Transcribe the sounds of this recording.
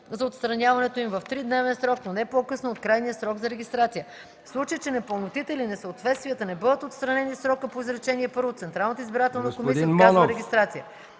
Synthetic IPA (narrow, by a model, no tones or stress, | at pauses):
zɐot̪st̪ɾɐnʲavɐnɛt̪oimvɐft̪ɾid̪nɛvɛnsɾɔknonɛpokɤsnoːt̪kɾajnijəsɾɔɡzɐɾɛɡʲist̪ɾat̪sijə | slˠut͡ʃəjt͡ʃɛnɛpolˠnot̪it̪ɛilinɛsəot̪vɛt̪st̪vijət̪ənɛbɤd̪ət̪ot̪st̪ɾɐnɛnisɾɔkəpoizɾɛt͡ʃɛniɛpɤɾvot̪sɛnt̪ɾalˠnət̪əizbiɾat̪ɛlˠnəkomisiəaɾɛɡʲist̪ɾat̪sijə